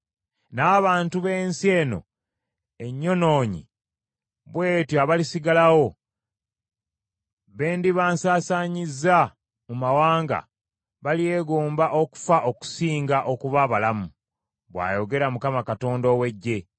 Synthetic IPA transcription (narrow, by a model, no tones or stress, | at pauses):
naːβaːntuβe̞ːnsie̞ːno̞̰ | e̞ɲːo̞no̞ːɲḭ | βwe̞ːtjoaβalisiɡalawo̞ | βe̞ːndiβaːnsaːsaɲizːa | mumawaːŋɡa̰ | βalie̞ːɡoːmbaʔo̞ku̥faʔo̞ku̥siːŋɡaʔokuβaβalamu | βwa̰ːjo̞ɡe̞ɾamukamakato̞ːndowe̞ɟːe̞